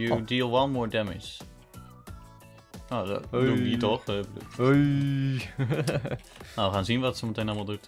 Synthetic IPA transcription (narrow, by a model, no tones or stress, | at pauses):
judiːlˠwanmɔːɹdɛmɪ̰d͡ʒ | nodumitɔχblṵ | nawʋəχaːnzinʋɑtsomətejnɑlˠmalˠdut